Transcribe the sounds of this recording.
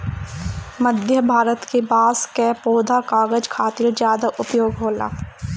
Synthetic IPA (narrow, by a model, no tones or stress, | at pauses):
məd̪ʱjəbʱaːɾət̪kebaːskɛpoːd̪ʱakaːɡəd͡ʒkʰaːt̪ɪɾzjaːd̪aʔʊpjoːɡɦoːla̰ː